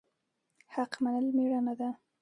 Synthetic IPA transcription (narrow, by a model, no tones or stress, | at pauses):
haqmanəlmeɽanad̪a